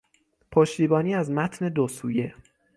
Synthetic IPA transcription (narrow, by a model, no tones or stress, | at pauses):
pʰoʃt̪iːbɒːniːæzmæt̪ʰne̞d̪osuːje̞